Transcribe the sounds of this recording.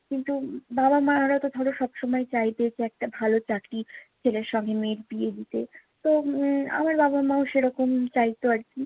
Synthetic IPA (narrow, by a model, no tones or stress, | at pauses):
kint̪ubabamaɾat̪od̪ʱɔɽoʃɔbʃomɔjt͡ɕajt̪ed͡ʑeɛk̚ʈabʱalot͡ɕakɾit͡ɕʰeleɾʃɔŋɡemeɾpied̪it̪e | t̪oa̰maɾbabamaoʃeɾɔkomt͡ɕajt̪oaɾt͡ɕʰi